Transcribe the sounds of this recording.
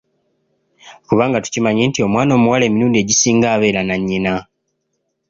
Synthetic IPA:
kuβaːŋɡatu̥cimaɲeːntio̞mwaːno̞ːmuwale̞ːmiɾuːndie̞ːɟisiːŋɡaːβe̞ːɾanaɲːina

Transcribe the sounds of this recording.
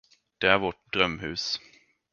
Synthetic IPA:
d̪̥ɛæɾvɔʈ̚d̪ɾœmhʉ̟ːs

